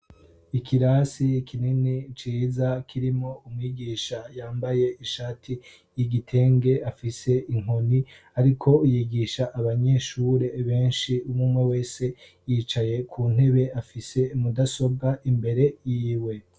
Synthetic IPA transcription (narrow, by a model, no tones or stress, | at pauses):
ikʰiɾasikʰininit͡ʃiːzakʰiɾimo̞umŋiɡiːʃajaːmbaje̞iʃaːtʰi | jiɡitʰe̞ːŋɡe̞afise̞ʔiŋ̥ho̞ni | aɾikʰo̞jiɡiʃaʔaβaɲe̞ʃuɾe̞βe̞ːnʃiumumŋe̞we̞ːse̞ | jiːt͡ʃaje̞kʰuːn̥e̞βe̞afise̞umudaso̞b̚ɡaʔimbe̞ɾe̞jiːwe̞